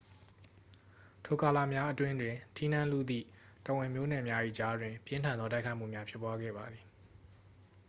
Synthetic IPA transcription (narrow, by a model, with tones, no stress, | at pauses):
tʰo˨ka˨la̰˦˨mja˦ʔətwɪ̃˦ndwɪ̃˨tʰi˦n̥ã˦lṵ˦˨d̪ðḭ˦˨ | tə˨wɪ̃˨mjo̰˦˨nɛ˨mja˦ʔḭ˦˨d͡ʑa˦dwɪ̃˨pjɪ̃˦ntʰã˨nd̪ɔ˦ta˦ɪkʰa˦ɪʔm̥ṵ˦˨mja˦pʰjɪ˦pːwa˦ɡɛ̰˦˨ba˨d̪ði˨